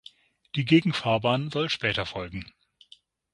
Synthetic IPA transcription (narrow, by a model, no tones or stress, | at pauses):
d̥iːɡeːɡŋ̩faːɐbaːnzɔlʃpɛːtɐfɔlɡŋ̩